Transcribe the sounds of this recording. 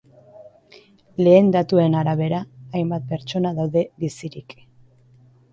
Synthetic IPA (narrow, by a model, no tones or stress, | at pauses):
le̞ːnd̪at̪ue̞naɾaβ̞e̞ɾaːjmbat̪̚pe̞ɾt͡ʃo̞naðawðe̞βisiɾik